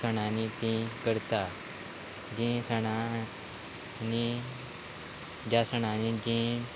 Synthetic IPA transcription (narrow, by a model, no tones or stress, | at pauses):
səɽ̃ãnit̪ĩkəɾt̪a | d͡ʑĩsəɳa | ni | d͡ʑasəɳ̃ãnĩd͡ʑĩ